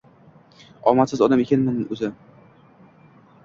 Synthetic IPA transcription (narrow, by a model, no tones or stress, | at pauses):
ɒ̰masɪzɒd̪amekʲanmʊnɵzɪ